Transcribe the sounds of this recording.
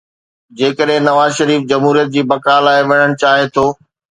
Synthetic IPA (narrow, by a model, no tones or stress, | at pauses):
d͡ʑeːkəɗɦɪ̃nɐʋaːzʃɐɾiːfd͡ʑɐmɦuːɾijət̪̚d͡ʑiːbɐkaːlaːeʋɐɽəɽ̃t͡ɕaːɦet̪ʰoː